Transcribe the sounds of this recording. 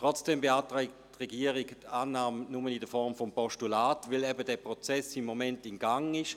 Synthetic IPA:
tʁɔt͡sd̥ɛmbeaːtʁɛɪk̚ttʁɛɡiːɐəʁiɡtaːnaːmnʊmənɪdəfɔʁmfɔmpɔʃtulaːtvɪlɛbədɛːpʁɔt͡sɛsɪmːomɛntɪnɡaŋɪʃ

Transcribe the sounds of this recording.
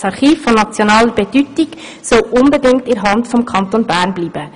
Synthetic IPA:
sɑɾχiːfːɔnɑt͡sjonɑːləɾbɛdytik | sɔlʔʊnbɛdɪŋk̚tɪɾɦɑndfɔmkʰɑnt̪onbæːɾnbliːb̥ə

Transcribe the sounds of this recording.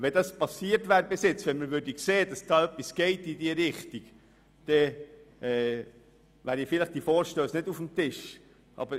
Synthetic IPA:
ʋɛdɑspɑsiːəɾtvæːɾbesɪt͡sʋɛnməɾʋʏɾdikseːd̥ɑsd̥ɑːœpːisɡ̥ɛɪtidiːəɾɪχtiɡ | d̪̥ɛʔɛː | ʋæːɾifɪləχd̥ifoːɾʃtøːsnɪdufmtɪʃ | ʔɑ̰b̥əɾ

